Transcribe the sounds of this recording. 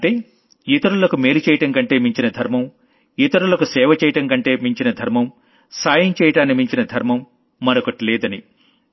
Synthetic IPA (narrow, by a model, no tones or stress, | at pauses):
ɐʈeː | it̪ɐɾulɐkumeːɾut͡ʃɛːjɐʈɐŋkɐɳʈe̞ːmiɲt͡ʃinɐd̪ʱɐɾmɐm | it̪ɐɾulɐkusɛːʋɐt͡ʃɛːjɐʈɐŋkɐɳʈe̞ːmiɲt͡ʃinɐd̪ʱɐɾmɐm | saːjɐmt͡ʃɛːjɐʈaːnːimiɲt͡ʃinɐd̪ʱɐɾmɐmː | ɐnɐkɐʈlɛːd̪ɐni